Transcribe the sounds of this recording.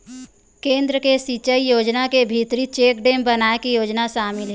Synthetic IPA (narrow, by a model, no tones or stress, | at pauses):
kẽːnd̪ɾəkesit͡ʃəijoːd͡ʒnakebʱit̪ɾit͡ʃeːkɖẽːmbɐnaːekijoːd͡ʒnaʃaːmɪlɦɛ